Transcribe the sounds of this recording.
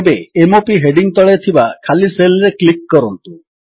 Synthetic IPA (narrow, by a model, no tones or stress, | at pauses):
beemopiɦeɖiŋt̪ɔɭet̪ʰibakʰaliselɾeklikːɔɾɔnt̪u